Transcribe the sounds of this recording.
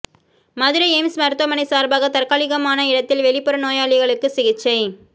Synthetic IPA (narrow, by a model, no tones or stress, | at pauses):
mɐðɪɾɐɛmsmɐɾɯt̪ʋɐmɐnɐɪsaːɾbaːɣɐt̪ɐrkaːɭɪɣɐmaːnɐɪɽɐt̪ːɪlʋɛɭɪpːɔɾɐnoːjaːɭɪɣɐɭɯkːɯsɪɣɪt͡ʃːɐɪ